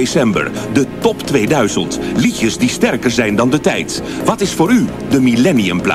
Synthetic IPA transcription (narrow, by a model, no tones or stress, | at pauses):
esɛmbə̰ɹdətɔptʋejdœɥzəntlicəsdistɛɹkəɹzɛjndɑndətɛjt | ʋɑtɪsfʊːɾy | dəmilɛniəmpla̰